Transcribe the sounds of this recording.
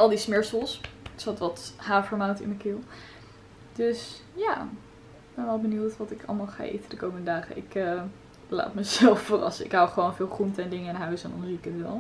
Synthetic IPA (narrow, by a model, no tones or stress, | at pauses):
ɑlˠdismɪɹsəlˠssɑtʋɑtɦaːvəɹmawtɪ̰nməkɪlˠ | d̥øsjaː | ɡ̚b̥ɛnʋɛlˠbənuwtʋɑtɪkʰɑ̰lˠmaːlˠχa̰ʔḛjtədəkowməndədaːχə̰ʔɪ̰kə | la̰ːtməzɛlˠfːərɑ̰səɪkɦawχəʋownvɪːlˠχruntəɛndɪŋəɪnɦœɥsɛndɔ̰nɦuɪkətʋɛlˠ